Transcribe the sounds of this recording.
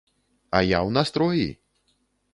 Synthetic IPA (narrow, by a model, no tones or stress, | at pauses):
ɐjawnast̪ɾɔjḭ